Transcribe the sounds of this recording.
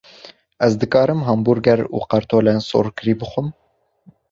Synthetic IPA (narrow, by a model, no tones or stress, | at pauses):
ɛzd̪ɨkɑːɾɨmɦɑmbuɾɡɛɾṵːqɑɾt̪ʰoːlɛnso̰ɾkɨɾiːbɨxʷʊm